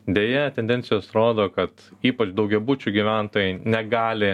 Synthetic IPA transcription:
d̪ʲeːjɛt̪ʲɛnʲd̪ʲɛnʲtsʲɪjoːsɾoːd̪oːkɐt̪iːpɐt͡ʃd̪ɐʊɡʲɛbut͡ʃʲuɡʲiʋʲænt̪oːjɛɪnʲɛɡɑːlʲɪ

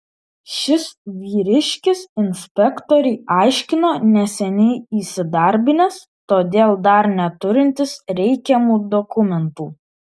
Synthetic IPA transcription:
ʃʲɪsʋʲiːɾʲɪʃʲkʲɪsɪnʲsʲpʲɛkt̪ɔɾʲɛɪʔɑˑɪʃʲkʲɪnoːnʲɛsʲɛnʲɛɪiːsʲɪd̪ɐɾʲbʲɪnʲɛs | t̪oːd̪ʲeːlˠd̪ɐɾnʲɛt̪ʊɾʲɪnʲt̪ʲɪsɾʲɛɪkʲɛmuːd̪ɔkʊmʲɛnt̪uː

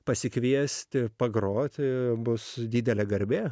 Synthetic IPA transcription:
pɐsʲɪkʋʲiɛsʲt̪ʲɪpɐɡɾoːt̪ʲɪbʊsd̪ʲiːd̪ʲɛlʲɛɡɐɾʲbʲeː

